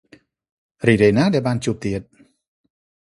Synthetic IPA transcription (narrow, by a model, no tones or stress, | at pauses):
ɾidenaːdɛbaːnt͡ɕup̚t̪iət̪̚